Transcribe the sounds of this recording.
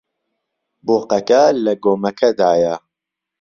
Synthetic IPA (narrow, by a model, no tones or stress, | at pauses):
boːqɐkɐlɐɡoːmɐkʰɐd̪aːjɐ